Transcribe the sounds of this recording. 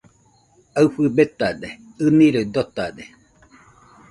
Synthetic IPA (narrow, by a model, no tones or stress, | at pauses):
aɨɸɨbet̪ad̪e | ɨniɾoid̪ot̪ad̪e